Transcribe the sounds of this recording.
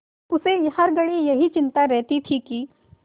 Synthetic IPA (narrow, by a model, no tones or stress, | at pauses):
ʊsehɐɾɡɐɽ̃ijɐɦit͡ʃɪ̃nt̪aɾɛɦt̪it̪ʰiki